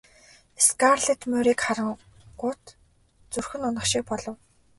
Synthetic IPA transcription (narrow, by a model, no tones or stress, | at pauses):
eskarɮĕt̪mɵːɾiːkχaɾə̆ŋ | ɢʊːt̪ | t͡sɵrxɵ̆nʊnə̆χʃik̚pɔɮɞ̆w